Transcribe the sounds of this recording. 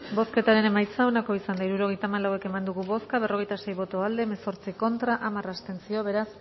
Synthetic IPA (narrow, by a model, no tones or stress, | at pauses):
bo̞ske̞t̪aɾe̞ne̞majt͡sao̞nako̞isand̪aiɾuɾo̞ɣ̞e̞jt̪amalawe̞ke̞mand̪uɣuβo̞skaβ̞e̞ro̞ɣ̞e̞jt̪ase̞jβo̞t̪o̞ald̪e̞meso̞ɾt͡siko̞nt̪ɾaʔamarast̪e̞nsio̞β̞e̞ɾas